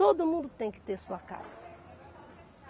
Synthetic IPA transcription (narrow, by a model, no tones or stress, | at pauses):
od̪ʊmũnd̪ʊt̪ẽj̃kɪ̥t̪eɾsuɐka̰z̥ɐ